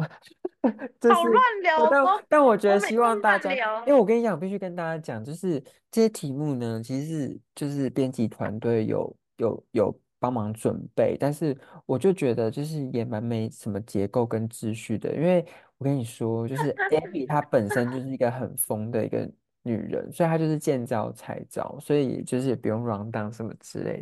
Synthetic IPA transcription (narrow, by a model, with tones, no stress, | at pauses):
ʈ͡ʂə˥˧ʂ̩˥˨˥t̪a˥˩nt̪a˥˩nwɔ˨˩t͡ɕɥɛ˧˥d̪ə˧ɕi˥wɑ˥˧ŋt̪a˥˧˩t͡ɕja˥we˥˩wɔ˨˩kə˥ni˧˥t͡ɕjɑ̃˨pi˥˧˩y˥˩kə˦nt̪a˥t͡ɕa˥t͡ɕjɑ˨˩ŋt͡ɕjo˥˧ʊʂɻ̩˥˧ | ʈ͡ʂə˥˧ɕjɛ˥t̪ʰi˧˥mu˥˩nə˦t͡ɕʰi˧˥ʂɻ̩˥˩t͡ɕjo˥˧ʊʂɻ̩˥˩pjɛ˥nt͡ɕi˧˥t̪ʰwa̰˧˦nt̪we˥˩ɪjo̰˨˩ʊ | jo˨˩ʊjo˨˩ʊ | pɑ˥ŋmɑ˧˥ŋʈ͡ʂwə̰˨˩npe˥˩ɪt̪a˥˧nʂɻ̩˥˩wɔ˨˩t͡ɕjo˥˩ʊt͡ɕɥɛ˧˥d̪ə˧t͡ɕjo˥˧ʊʂ̬ɻ̩˥˩jɛ˨˩ma˧˦nme˧˥ɪʂə˨˩nmə˦t͡ɕjɛ˧˥ko˥˩ʊkə˦nʈ͡ʂɻ̩˥˧ɕy˥˩d̪ə̰˨ʔḭ˦˥nwe˥˩ɪwɔ˨˩kə˦˥ni˨˩ʂwɔ˥t͡ɕjo˥˧ʊʂɻ̩˥˩ɛ˦˥bi˨˩t̪ʰa˦pə˨˩nʂə˦˥nt͡ɕjo˥˧ʊʂɻ̩˥˩i˧ɡə˧ɦə˨˩nfo˥ŋd̪ə˨ḭ˧˥ɡə̰˧ | ny̰˨˩ɻə̰˧˦nswɔ˧˥i˨t̪ʰa˥t͡ɕjo˥˧ʊʂ̬ɻ̩˥˧t͡ɕjɛ˥˧nt͡sɑ˥˩ʊt͡sʰa̰˧˥ɪt͡sɑ̰˥˩ʊswɔ˧˥ḭ˨t͡ɕjo˥˧ʊʂɻ̩˥˩jɛ˨˩pu˧˥jo˥˩ŋɻwɑ˧˥ŋt̪ɑ˥˧ŋʂə˥˩mə˩t͡sɹɻ̩̰˥lḛ˥˩ɪ